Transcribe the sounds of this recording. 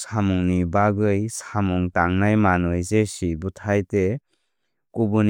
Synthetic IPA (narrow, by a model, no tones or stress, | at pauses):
samuŋnibaɡɯjsamuŋtaŋnajmanɯjzesibutʰajte | kubun